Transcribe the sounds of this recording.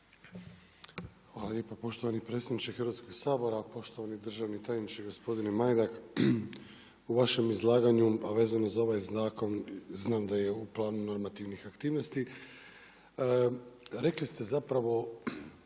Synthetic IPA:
xʋaːlaljepapo̞ʃt̪oʋanipɾe̞t̪sjed̪nit͡ʃexəɾʋat̪sko̞ɡsaːbo̞ɾapo̞ʃt̪o̞ʋanid̪r̩ʒaʋnit̪ajnit͡ʃeɡo̞spo̞d̪inemajd̪ak | uʋaʃe̞mizlˠaːɡaɲuaʋe̞ːzanozao̞ʋajzaːko̞nznaːmd̪aje̞uplˠaːnuno̞ɾmat̪iʋnixakt̪iːʋno̞st̪i | ɾe̞klist̪e̞zapɾaʋo̞

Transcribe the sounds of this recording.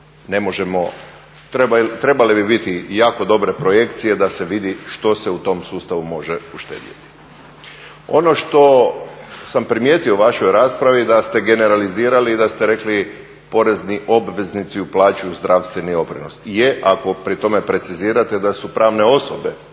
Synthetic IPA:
ne̞moʒemo̞ | t̪ɾet̪ɾe̞balebibit̪ijaːko̞d̪o̞bɾe̞pɾo̞je̞kt̪sije̞d̪ase̞ʋid̪iʃt̪o̞se̞ut̪o̞msuːst̪aʋumo̞ʒeuʃt̪ḛːd̪jḛt̪i̥ | o̞̰no̞ʃt̪o̞ | sampɾimjeːt̪ioʋaʃo̞jɾaːspɾaʋid̪ast̪e̞ɡe̞ne̞ɾaliziːɾaliːd̪ast̪eɾe̞kli | po̞ɾe̞zniʔo̞bʋe̞znit̪siuplˠaːt͡ɕuzd̪ɾaʋst̪ʋenio̞pɾḭnosjeʔako̞pɾit̪o̞me̞pɾe̞t̪siziːɾat̪ed̪asupɾaːʋne̞o̞sobe̞

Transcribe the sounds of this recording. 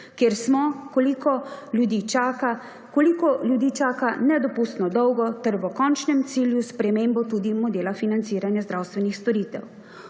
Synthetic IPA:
kjeɾsmɔkɔlikɔljud̪iːt͡ʃaka | kolikɔljud̪iːt͡ʃaːkanɛd̪ɔpust̪nɔd̪ɔwɡɔt̪ɛɾʋɔkɔnt͡ʃnɛmt̪siːljuspɾɛmeːmbɔt̪ud̪imɔd̪eːlafinant̪siːɾanjazd̪ɾawst̪ʋɛnixst̪ɔɾiːt̪ɛ̰w

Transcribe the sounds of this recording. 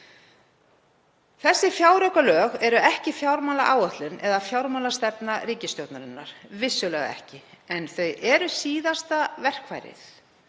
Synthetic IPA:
θɛsːɪfjawɾœkalœːɣɛɾʏɛhcɪfjawɾmalaʔaːwat̪lʏnɛðafjawɾmalast̪ɛpnariːcɪst̪jowt̪naɾɪnːa̰ɾ̥vɪsːʏlɛːɣa̰ɛ̰hcɪɛnθœɥɛɾʏsiːðast̪avɛr̥kvajɾɪ̰θ

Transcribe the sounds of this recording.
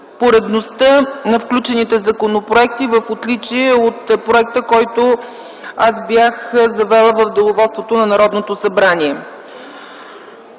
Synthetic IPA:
poɾɛd̪nost̪ənɐfklʲut͡ʃɛnit̪ɛzɐkonopɾoɛk̚t̪ivəfot̪lit͡ʃiɛot̪pɾoɛk̚t̪əkɔjt̪o | asbjaxzɐvɛlˠəvəvd̪ɛlˠovɔlt̪st̪vot̪onɐnɐɾɔd̪not̪osɐbɾaniɛ

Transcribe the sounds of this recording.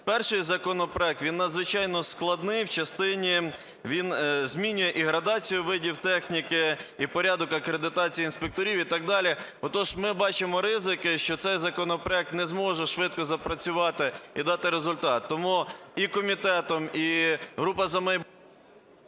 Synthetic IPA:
pɛrʃɪjzɐkɔnɔpɾɔɛk̚t̪ʋʲinːɐd̪zʋɪt͡ʃɑjnɔsklˠɐd̪nɪjwt͡ʃɐst̪ɪnʲi | ʋʲinzmʲinʲʊjɛʔiɦɾɐd̪ɑt͡sʲijʊʋɪdʲiwt̪ɛxnʲikɪipɔɾʲad̪ɔkɐkɾed̪ɪt̪ɑt͡sʲijiinspek̚t̪ɔɾʲiwit̪ɑɡ̚d̪ɑlʲi | ɔt̪ɔʒmɪbɑt͡ʃɪmɔɾɪzɪkɪʃt͡ʃɔt̪sɛjzɐkɔnɔpɾɔɛk̚t̪nɛzmɔʒɛʃʋɪt̪̚kɔzɐpɾɐt͡sʲʊʋɑt̪ɪid̪ɑt̪ɪɾezʊlʲt̪ɑt̪ːɔmuikɔmʲit̪ɛt̪ɔmiɦɾupɐzɐmɛj

